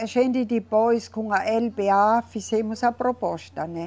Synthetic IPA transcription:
ʃend̪it̪ipoiskuŋɡɑʔelpeɑfːisemːusɑpropost̪ɑne

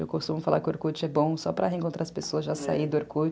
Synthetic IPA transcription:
ewwkost̪ũmʊfala̰ɾkɪoɾkut͡ʃʊɛbõw̃sɔpɾɐɦẽkõnt̪ɾaɾɐspesoɐzʒasa̰id̪ʊeɾkud͡ʒ

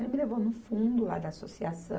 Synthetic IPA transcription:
milevonufũnd̪ula̰d̪ɐasosiasɐ̰̃

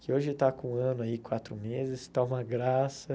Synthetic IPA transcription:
kɪoʒɪt̪akõɐ̃nʊaikwat̪ɾʊmezɪst̪aũmɐɡɾasɐ

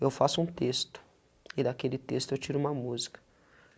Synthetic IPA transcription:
ewfasʊũt̪est̪ʊ̥ | ɪd̪akelɪt̪est̪ʊewt͡ʃiɾʊũmɐmuzikɐ̥

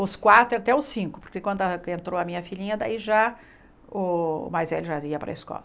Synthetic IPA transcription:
ʊskwat̪ɾʊat̪ɛʊsĩŋkʊpoɾkekwɐ̃nd̪ʊaẽnt̪ɾoɐmĩɲɐfilĩɲɐd̪a̰iʒa | ʊ̰majzvɛ̰ʎʊʒaiɐpɾɐ̰eskɔ̰lɐ

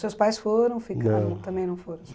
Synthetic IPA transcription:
sewspajsfoɾɐ̃w̃fikɐ̃ʊ̃t̪ɐ̃mbẽj̃nɐ̃w̃foɾɐ̃w̃

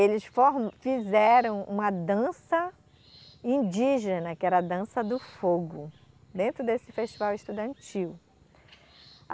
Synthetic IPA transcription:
elɪsfoɾmfizɛɾɐ̃w̃ṵ̃mɐd̪ɐ̃sɐ | ĩd͡ʒiʒenɐkɪɛɾɐːd̪ɐ̃sɐd̪ʊfoɡʊ | d̪ẽnt̪ɾʊd̪esɪfeʃt͡ʃivawɪʃt̪ud̪ɐ̃nt͡ʃiw

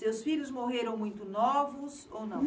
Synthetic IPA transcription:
sewsfiʎʊzmoɦeɾɐ̃w̃mũj̃t̪ʊnɔvʊs | ownɐ̃w̃

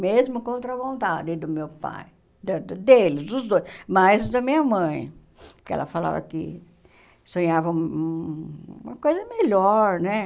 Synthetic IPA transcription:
mezmʊkõnt̪ɾɐvõnt̪ad͡ʒɪd̪ʊmewpa̰j | d̪ɐd̪d̪elɪzd̪ʊzd̪ojsmajzd̪ɐmĩɲɐmɐ̃j̃ | kɪɛ̰lʔɐ̰fala̰vɐ̰kɪ̰ | sõɲavɐũmu | ũmɐkojzɐmeʎɔɾnɛ

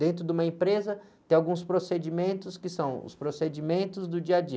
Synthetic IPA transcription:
d̪ẽnt̪ɾʊd̪ũmɐẽpɾezɐ | t̪ẽj̃awɡũspɾosed͡ʒimẽnt̪ʊskɪsɐ̃w̃ʊ̰spɾosed͡ʒimẽnt̪ʊzd̪ʊd͡ʒiɐd͡ʒi

